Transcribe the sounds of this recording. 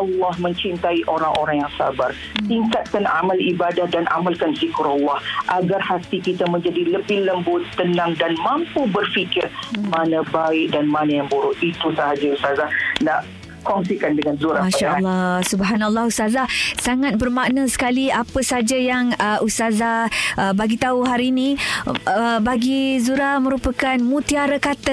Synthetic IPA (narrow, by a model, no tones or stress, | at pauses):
ʔɑlːɑhmə̃ɲt͡ʃint̪aiʔoɾaŋʔoɾaŋjaŋsa̰bar | t̪iŋkat̪̚kana̰malibadahdanʔa̰malkanzikuɾalːɑhʔaɡarhat̪ikit̪amə̃ɲd͡ʒadiləbɪhləmbʊt̪ːənaŋdanmãmpubərfikɪrmanãbaɪʔ̚danmanajaŋbuɾʊʔit̪usəɦad͡ʒaust̪azahnaʔ | kɔŋsikandəŋanzuɾamaʃalˠːasubɦanalːahust̪azasaŋat̪̚bərmaʔnəsə̥kaliapəsaad͡ʒajaŋəʔust̪azaʔəbaɡit̪auɦaɾiinĩ | əbaɡizuɾahmə̃ɾupəkanmũt̪iaɾəkat̪ə